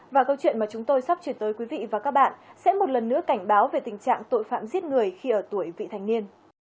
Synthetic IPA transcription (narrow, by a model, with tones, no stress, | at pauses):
vaː˨˩kə˧wt͡ɕwḭ˧˨ənmaː˨˩t͡ɕʊ˨˦ŋ͡mt̪o˧jsa˦˥p̚t͡ɕwi˧˩ənt̪əː˨˦jkwi˨˦vḭ˧˨vaː˨˩kaː˦˥k̚ɓa̰ː˧˨nsɛ̰˧˥mo˨˩t̚lə˨˩nːɨ̰˧˥əka˧˩jŋ̟ɓaː˨˦wve˨˩t̪ï˨˩ŋt͡ɕa̰ː˧˨ŋt̪o̰˧˨jfa̰ː˧˨mzi˦˥ət̚ŋɨ˨˩əjxi˧ʔəː˧˩t̪u˧˩əjvḭ˧˨t̪ʰa˨˩ŋni˧ən